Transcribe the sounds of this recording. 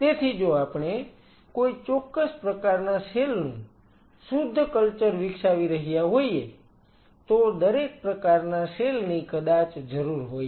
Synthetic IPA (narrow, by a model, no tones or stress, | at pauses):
t̪et̪ʰid͡ʒoapɳ̃e | koit͡ʃɔkːəspɾəkaɾnaselnṵ̃ | sʊd̪ʱːkəlt͡ʃəɾʋɪkʃaʋiɾəɦijaɦoie | t̪od̪əɾek̚pɾəkaɾnaselnĩkəd̪at͡ʃd͡ʒəɾuɾɦoje